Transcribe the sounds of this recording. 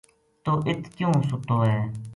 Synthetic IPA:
t̪oːʔɪt̪ʰkjũːsʊt̪oːɦɛː

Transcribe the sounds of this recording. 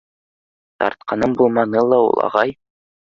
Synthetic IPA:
t̪ɑ̰ɾt̪̚qɑnɤɴbulˠmɑnɤlˠɑṵlˠɑ̰ʁɑj

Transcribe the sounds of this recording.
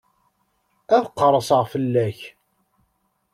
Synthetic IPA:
æðqːəɾˤəsəʁfəlːæç

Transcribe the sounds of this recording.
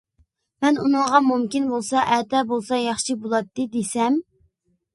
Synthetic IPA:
mɛnunɨŋʁɑmumkʲinbolˠsɑʔɛt̪ʰɛbolˠsɑjɑχʃibolˠɑt̪ːɨd̪esɛm

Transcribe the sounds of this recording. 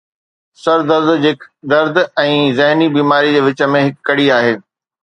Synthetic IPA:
sɐɾd̪əɾd̪d͡ʑɪkd̪ɐɾd̪ɛ̃ːzɛɦnibiːmaːɾid͡ʑeːʋɪt͡ɕə̆mẽɦɪkːɐɽiaːɦeː

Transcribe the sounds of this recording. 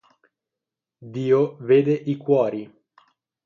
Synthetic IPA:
d̪iːoveːd̪eʔikwɔːɾi

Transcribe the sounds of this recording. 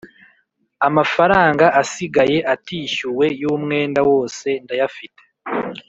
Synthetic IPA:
amafaɾaːŋɡaʔasiɡaje̞ʔatiːʃuwe̞juːmŋe̞ːndawo̞ːse̞ndajafite̥

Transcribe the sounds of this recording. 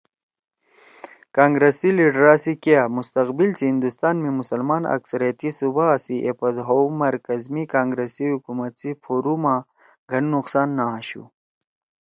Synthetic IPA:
kaːŋɡɾesiliɖɾaːsikiamust̪ɐqbilt͡sihĩnd̪ust̪aːnmimusɐlmaːnɐ̰ksɐɾijat̪isubaːsiʔepɐd̪ɦomɐɾkɐzmikaːŋɡɾesiɦukumɐt̪sifʰoːɾumã | ɡʱɐnːuqsaːnːaːɕṵ

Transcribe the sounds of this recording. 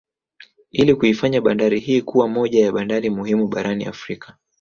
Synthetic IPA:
ilikuifaɲaɓandaɾihiːkuwamɔʄajaɓandaɾimuhimuɓaɾanḭa̰fɾikḁ

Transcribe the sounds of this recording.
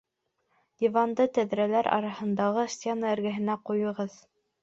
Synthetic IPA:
d̪ʲivɑnd̪ɤt̪æðɾælæɾʔɑ̰ɾɑhɤ̆nd̪ɑʁɤsʲt̪ʲenaɘ̆ɾɡɘ̆ɦɘ̆næqujɤ̆ʁɤð

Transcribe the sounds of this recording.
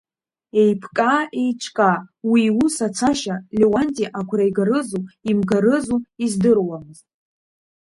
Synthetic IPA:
e̞jpʰkʼaejt͡ʃʷʰkʼawiusat͡sʰaʃalʲewantʼiʔakʷʰrajɡaɾɨzuimɡaɾɨzuizdɨrwamɨztʼ

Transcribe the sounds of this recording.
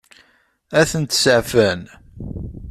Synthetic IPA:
æθənt̪səʕfæn

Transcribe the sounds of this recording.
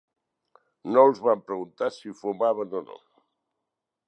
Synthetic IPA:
nolˠzβampɾəɣunt̪asifumaβ̞ənono̰

